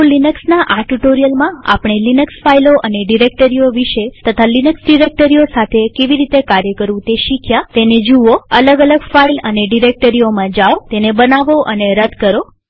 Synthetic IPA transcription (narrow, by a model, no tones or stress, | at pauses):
linəksnaʔaʈuʈoɾijəlmãa̰pɽ̃elinəksfailoʔəneɖiɾek̚ʈəɾioʋiʃet̪ət̪ʰalinəksɖiɾek̚ʈəɾiosat̪ʰekeʋiɾit̪ekaɾjəkəɾʋũt̪eʃikʰjat̪ened͡ʒuʋoələɡələɡfailəneɖiɾek̚ʈəɾiomãd͡ʒaot̪enebənaʋoʔəneɾəd̪kəɾo